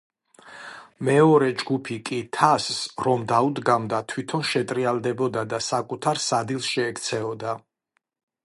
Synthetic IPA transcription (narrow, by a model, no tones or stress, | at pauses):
mɛɔɾɛd͡ʒɡupʰikʼit̪ʰasːɾɔmd̪aud̪ɡamd̪at̪ʰwit̪ʰɔnʃɛt̪ʼɾialˠd̪ɛbɔd̪ad̪asakʼut̪ʰaɾsad̪ilˠsʃɛːkʰt̪sʰɛɔd̪a